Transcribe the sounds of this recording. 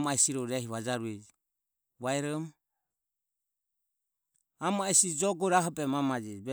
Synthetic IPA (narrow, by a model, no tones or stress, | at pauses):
maɛsiɾɔɾɛɦiβad͡ʒaɾuɛd͡ʒ | βaɛɾɔm | amaɛsid͡ʒɔɡɔɾaɦɔpɛmamad͡ʒɛbɛ